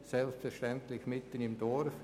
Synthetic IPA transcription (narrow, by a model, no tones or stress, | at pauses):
sɛlpstfɛɾʃtɛnt̪lɪçmɪt̪ənɪmdɔɾf